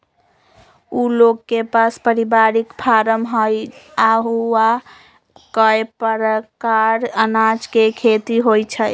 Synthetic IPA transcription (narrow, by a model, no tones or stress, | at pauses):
uloɡːepaspəɾibaɾikpʰaɾəmɦəjaɦuwa | kəepəɾəkaɾənad͡ʒkekʰet̪iɦojt͡ʃʰəj